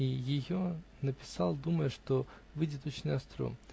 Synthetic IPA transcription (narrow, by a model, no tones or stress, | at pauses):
ijɪjonɐpʲɪ̥sɑlˠd̪umɐjɛʂt̪o | vɪdʲɪt̪ot͡ɕɪnʲɐst̪ɾɔ̰m